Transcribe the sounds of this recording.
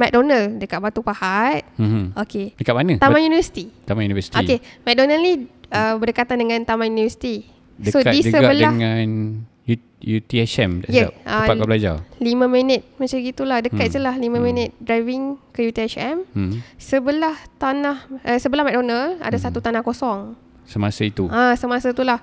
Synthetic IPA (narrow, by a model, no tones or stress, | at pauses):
mɛk̚donəldəkat̪̚bat̪upahat̪̩̚okedəkaʔ̚manət̪amãjunivəsi̥t̪it̪amajunivəsi̥tʔoikemɛk̚donəlniəbərdəkat̪andəŋãnt̪amãjunivəsi̥t̪i | dəsoadidəsəɡabəldəahŋan | ju | jut̪iɛsɛmdɛjəa̰əpakablad͡ʒa̰limə̃mənət̪̚mə̃t͡ʃaɡit̪ulahdəkat̪̚səlahlimãmə̃nət̪̚dɾajviŋkəjut̪iɛt͡ʃɛmsəbəlaht̪anahʔəsəbəlahmɛk̚donala̰dasat̪ut̪anahkosɔŋ | səmasəit̪uãsəmasat̪ulah